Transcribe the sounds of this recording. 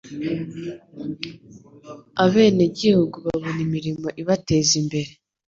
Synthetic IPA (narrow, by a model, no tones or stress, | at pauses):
aβe̞ːneɟihuɡuβaβo̞nimiɾimo̞ʔiβate̞ːzimbe̞ɾe